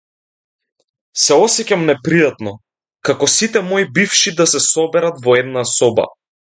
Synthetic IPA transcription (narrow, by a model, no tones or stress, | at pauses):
sɛɔsɛcamnɛpɾijat̪nɔ | kakɔsit̪ɛmɔibifʃid̪asɛsɔbɛɾat̪vɔɛd̪nasɔba̰